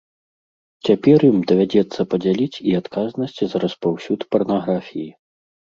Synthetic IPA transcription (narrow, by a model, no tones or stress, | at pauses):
t͡sʲapʲɛrjimd̪ɐvʲad͡zʲɛt̪sːɐpɐd͡zʲalʲit͡sʲiat̪kʰaznɐsʲt͡sʲizɐɾɐspawsʲut̪pɐrnaɣɾafʲiji